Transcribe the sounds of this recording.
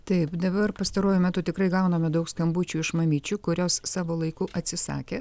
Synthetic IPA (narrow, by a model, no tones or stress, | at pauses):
t̪ɐɪpd̪ɐbɐɾpɐst̪ɐɾuːjʊmʲæːt̪ʊt̪ʲɪkɾɐɪɡɐʊnɐmʲɛd̪ɐʊkskɐmbut͡ʃʲuːɪʃmɐmʲiːt͡ʃʲuːkʊɾʲoːsːɑːʋoːlˠɐɪkʊʔɐt̪ʲsʲɪsɑ̰ːkʲeː